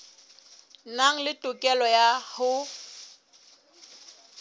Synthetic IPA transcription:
naŋ̩lɪtʼʊkʼɛlɔjahʊ

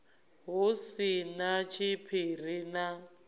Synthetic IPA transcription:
ɦusinat͡ʃʰipʰir̤ina

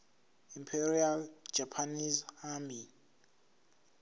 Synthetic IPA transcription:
impʰɛɾiald͡ʒapʰanizhami

